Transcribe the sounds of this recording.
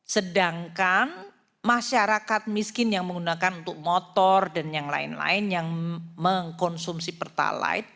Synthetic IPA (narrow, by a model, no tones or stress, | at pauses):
sədaŋkan | maʃaɾakat̪̚miskɪnjaŋməŋɡunakanunt̪ʊk̚mot̪ɔrdanjaŋla̰ɪ̰nla̰ɪnjaŋməŋkɔnsumsipərt̪a̰la̰ɪt̪̚